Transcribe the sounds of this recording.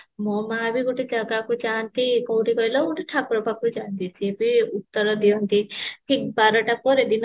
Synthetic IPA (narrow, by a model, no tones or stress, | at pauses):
mɔmabiɡoʈed͡ʒaɡakud͡ʒant̪ikɔwʈikɔjlɔɡoʈeʈʰakɾɔbʱab̚kud͡ʒant̪isʰiebiut̪ːɔɾɔd̪iɔnt̪iʈʰik̚baɾɔʈapɔɾed̪in